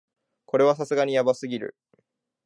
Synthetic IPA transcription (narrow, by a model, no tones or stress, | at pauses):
ko̞ɾe̞β̞as̬asɨɡaɲ̟ijabasɨɡʲiɾɯ̟̰